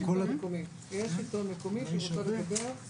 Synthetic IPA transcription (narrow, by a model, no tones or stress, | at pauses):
koekomim | jeʃitomekomiʃeot̪eʁled̪abeʁ